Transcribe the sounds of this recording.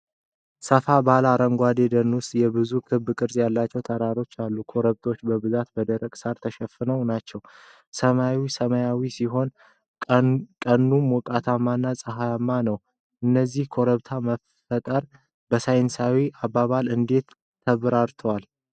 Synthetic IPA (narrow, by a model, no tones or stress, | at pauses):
səfabalaɾəŋɡʷad̪ed̪ənwʊst̪ʼjɛbɨzukʰɨβːkʼɨɾzjalːat͡ʃːɛwt̪ʰəɾaɾo̞t͡ʃːalːukʰo̞ɾəβt̪ʰo̞t͡ʃːbəbɨzat̪bəd̪əɾəkʼsaɾt̪ʰəʃɛfːɨnəwnat͡ʃːɛw | səmawisəmajawisiɦo̞n | kʼənːumwɔkʼat̪ʰamːanːasʼɨɦajamːanəw | ʔɨnːəzːihkʰo̞ɾəβt̪ʰaməf | ət̪ʼəɾ | bəsajnsawiʔabːaβalɨnd̪e̞t̪ʰː | əβɾaɾt̪ʰəwal